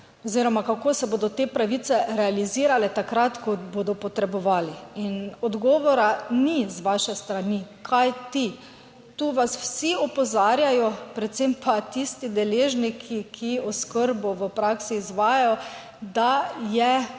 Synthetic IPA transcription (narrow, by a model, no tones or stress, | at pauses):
ɔziːɾɔmakakoːsɛboːd̪ɔt̪eːpɾaʋit̪sɛɾɛaliziːɾalɛt̪akɾat̪kɔboːd̪ɔpɔt̪ɾɛbɔʋaːliinɔd̪ɡɔːʋɔɾanizʋaʃɛst̪ɾanikʰajt̪i | t̪uːʋaswsiɔpɔzaːɾjajɔpɾɛt̪t̪sempʰat̪ist̪id̪ɛleːʒnikʰikʰiɔskəɾbɔʋəpɾaksiːzʋaːjajɔ | d̪ajɛ